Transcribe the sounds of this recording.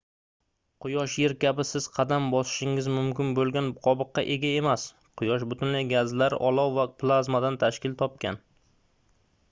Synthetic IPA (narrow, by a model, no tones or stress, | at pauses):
qʰʊjɒʃjeɾkʲʰabɪsɪz̥qʰɑd̪ambɒsɪ̥ʃɪŋɪzmʊmkʲɪnbolˠɡʲanqʰɒbɨqːɑ̰ʔe̞ɡʲae̞mas | qʰʊjɒʃ̬bʊt̪ʰʊnlajɡazlaɾɪ̰ʔɒlˠɒwvaplˠazmad̪ant̪ʰaʃkʲɪlt̪ʰɒp̚kʲan